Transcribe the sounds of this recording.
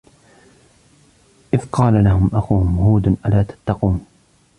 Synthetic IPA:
ʔɪðqɑːlalahʊmʔaxuːhmʊhuːd̪nʔalaːt̪ḁt̪ːɑquːn

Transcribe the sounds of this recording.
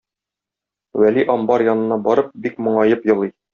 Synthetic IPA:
wæliʔɒmbɑɾjɒnɤ̆nːɑbɒɾɤp̚bikmŏɴɑjɤpjɤ̆lˠij

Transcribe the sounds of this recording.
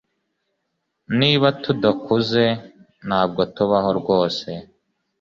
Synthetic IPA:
niːβatud̪akuze̞ | n̥haːb̚ɡo̞tuβaɦo̞ɾɡo̞ːse̞

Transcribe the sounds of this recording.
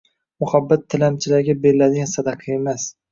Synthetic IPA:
mʊhabːat̪ʰːɪlamt͡ʃʰɪlaɾɡʲabe̞ɾɪlad̪ɪɡʲansad̪aqʰɨe̞mas

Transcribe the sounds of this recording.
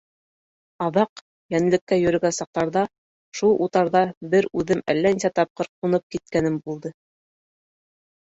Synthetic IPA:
ɑðɑq | jænɘ̆lɘ̆kːæjɵ̆ɾɘ̆ɡænsɑq̚t̪ɑɾðɑ | ʃulˠʔut̪ɑɾðɑbɘɾʉðɘmæ̰lːæninsæt̪ɑp̚qɤɾq̚unɤp̚kit̪̚kænɘmbulˠd̪ɤ

